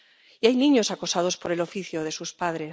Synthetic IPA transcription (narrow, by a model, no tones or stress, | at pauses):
iajnĩɲo̞sakosað̞o̞spo̞ɾe̞lo̞fiθjoðe̞suspaðɾe